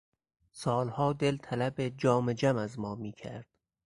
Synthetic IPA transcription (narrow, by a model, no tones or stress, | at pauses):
sɒːlhɒːd̪e̞lt̪ʰælæbed͡ʒɒːmed͡ʒæmæzmɒːmiːcʰæ̰ɾd̪̥